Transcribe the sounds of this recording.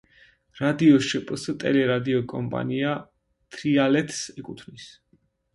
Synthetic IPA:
ɾad̪iɔʃɛpʼst̪ʼɛ̰lɛɾad̪iɔkʼɔmpʼa̰nia | t̪ʰɾialɛt̪ʰsɛkʼut̪ʰvnis

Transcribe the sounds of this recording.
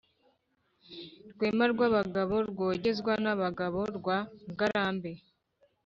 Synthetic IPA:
ɾɡweːmaɾɡwaβaɡaβo̞ɾɡo̞ːɟe̞zɡwanaβaɡaβo̞ɾɡwaɡaɾaːmbe̞

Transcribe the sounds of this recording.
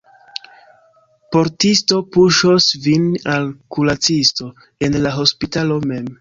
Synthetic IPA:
po̞ɾtisto̞puʃosvinalkulat͡sisto̞ | e̞nlaɦo̞spitalo̞me̞m

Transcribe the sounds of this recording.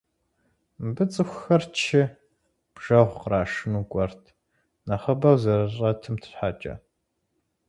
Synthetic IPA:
bɨt͡sʼɨxʷxɐrt͡ʃʰɪ | b̥ʒ̥ɐʁʷqraːʂɨnuːɡʷʼɔrtʰ | naχɐbɐwzɐɾɨrʼɐtʰɨmtʰɨ̥ɕħaːt͡ʃʼɐ̰

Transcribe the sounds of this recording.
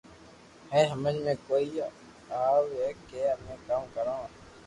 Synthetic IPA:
hɛ̃ːɦəmẽnmẽːkoːiː | aːʋeːkeːəmẽːkaːmkəɾãː

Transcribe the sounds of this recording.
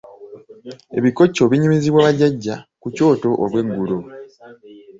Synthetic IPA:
e̞̰βiko̞cːo̞βiɲimiziβwaːβaɟaɟːakuco̞ːto̞ʔoβwe̞ŋɡulo̞

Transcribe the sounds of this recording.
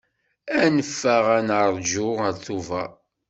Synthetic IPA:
ænəfːæʁænəɾˤd͡ʒʊʁəɾθuvæ

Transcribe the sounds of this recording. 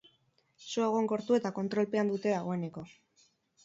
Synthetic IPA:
suaɣ̞o̞ŋko̞ɾt̪ue̞t̪ako̞nt̪ɾo̞lpe̞and̪ut̪e̞ðaɣ̞o̞e̞ne̞ko̞

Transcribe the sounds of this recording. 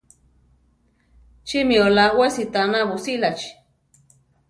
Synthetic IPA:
t͡ʃimiolawesit̪anaβusilat͡ʃi̥

